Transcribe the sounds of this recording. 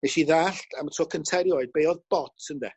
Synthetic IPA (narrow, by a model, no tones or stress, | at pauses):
nɛʃiðaɬtʰamətʰrɔːkʰəntʰɛɾjɔɨd̚bejɔðb̥ɔtʰəndɛ